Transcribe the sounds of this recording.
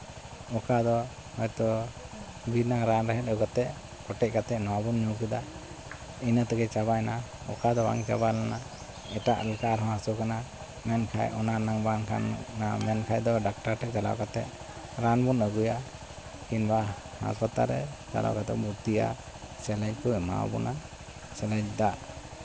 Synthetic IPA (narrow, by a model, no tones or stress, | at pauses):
ɔkad̪ɔ | hɔjt̪ɔ | biɾnaŋɾanɾaɦɛt̪̚əkat̪ɛʔ | kɔʈɛc̚kat̪ɛʔnɔwabunɲuwkid̪a | inat̪ɛɡɛt͡ʃaβajna | ɔ̰kad̪ɔwa̰ŋka̰balana | ɛʈaʔlɛkaɾɦɔ̃asɔkana | mɛnkʰa̰jɔnanaŋbanka̰nːamɛnkʰajd̪ɔɖak̚ʈaɾʈɛt͡ʃala̰ʔkat̪ɛ̰ʔ | ɾanbunəɡuja | kinba | ha̰spat̪ːa̰ɾɛ̰d͡ʒa̰la̰wkat̪ɛ̰muɾt̪ija̰ | sɛlɛɲkɔma̰w̰bɔ̰na | sɛlɛd͡ʒd̪aʔ